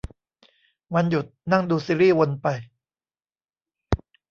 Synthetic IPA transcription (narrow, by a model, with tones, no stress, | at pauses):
wa˧nju˨˩t̪̚na˥˩ŋduː˧siː˧˦ɾiː˥˩wo˧npa˧j